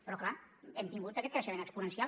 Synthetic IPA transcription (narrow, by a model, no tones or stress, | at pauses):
pɾɔklaɛmt̪iŋɡut̪əkɛt̪kɾəʃəmenəkspunənsia